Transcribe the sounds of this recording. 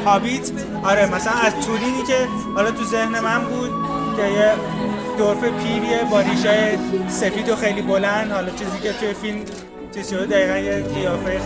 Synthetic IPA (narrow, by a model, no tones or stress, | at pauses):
hɒːbit̪ʰ | ʔɒɾemæsælænæzt̪ʰuːɾiːniːce̞ | hɒlɒt̪ʰuze̞hne̞mænbuːd̪̥̚ | ceje | d̪̥oɾfepʰiːɾiebɒːɾiʃɒːjese̞fiːd̪oxejliːbolænd̪hɒlɒt͡ʃʰiːziːcʰet̪ʰujefilm | t͡ʃʰiːz̥ʃod̪ed̪æɣiːɣænjeɡijɒːfeje